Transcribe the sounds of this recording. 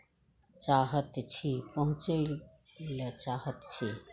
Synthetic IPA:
t͡ʃaːɦət̪t͡ʃʰipəɦũt͡ʃə | lət͡ʃaːɦət̪t͡ʃʰi

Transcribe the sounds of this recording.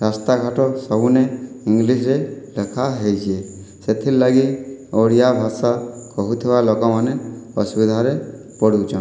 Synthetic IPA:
ɾast̪aɡʱaʈɔsɔbuneiŋɡlisɾelekʰaɦejd͡ʒʰie | set̪ʰilaɡioɽijabʱasakɔɦut̪ʰibalokɔmaneɔsubid̪ʱaɾe | pɔɽuwt͡ʃʰɔn

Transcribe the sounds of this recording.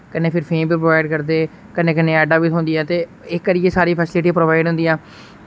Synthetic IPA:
kənːeːpʰɪɾpʰeːmbiːpɾoːʋaːɪɖkəɾd̪eː | kənẽːkənẽːɛːɖaːʋiːt̪ɦond̪iɛ̃ːt̪eː | ɪkːəɾiesaːɾiːpʰɛːslɪʈipɾoːʋaːɪɖɦʊ̃nd̪iːɛ̃ː

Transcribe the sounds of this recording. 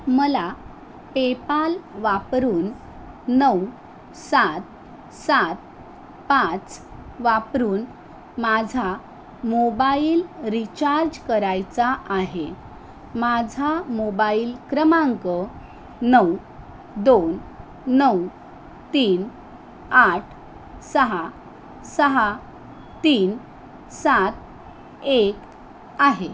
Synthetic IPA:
məla | pepalʋapɾuːnː | əw | sat̪̚ | sat̪̚ | pãt͡sʋapɾuːn | mad͡zʱa | mobailɾit͡ɕaɾd͡ʑkəɾajt͡saʔaɦe | mad͡zʱamobaiːlkɾəmãŋkə | nəw | d̪on | nəw | t̪iːn | aʈʰ | səɦa | səɦa | t̪iːn | sat̪̚ | ek | aɦe

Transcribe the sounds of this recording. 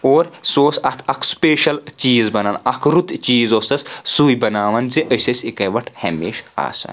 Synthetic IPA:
oːɾsoːsɐt̪ʰɐkʰspeːʃɐlt͡ʃiːzbɐnɐnɐkʰɾut̪t͡ʃiːzoːst̪ɐssuːjbɐnaːʋɐnziʔəsɐsikɐʋɐʈʰhɐ̰mḛːʃa̰ːsɐ̰n

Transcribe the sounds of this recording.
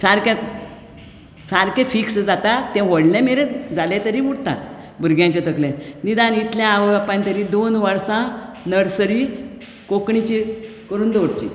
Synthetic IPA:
saɾkẽ | saɾkɛ̃fiksd͡zat̪at̪ːɛ̃ʋəɽlɛ̃meɾed͡zalɛ̃t̪əɾiʋuɽt̪a̰t̪̚ | bʱuɾɡjãt͡ɕet̪əklẽnid̪ãnit̪ljãːʋɡapant̪əɾid̪onʋaɽsã | nəɽsəɾi | kokɳit͡ɕi | kəɾuːnd̪oɽt͡ɕḭ

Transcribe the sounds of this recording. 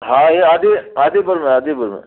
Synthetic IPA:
ɦãɦeaːd̪eaːd̪eːbəɾmẽaːd̪ebəɾmḛ̃

